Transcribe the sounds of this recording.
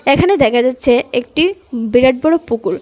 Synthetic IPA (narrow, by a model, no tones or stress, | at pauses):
ekʰaned̪ɛkʰad͡ʑatːɕʰeek̚ʈibiɾaɖ̚boɽopukuɾ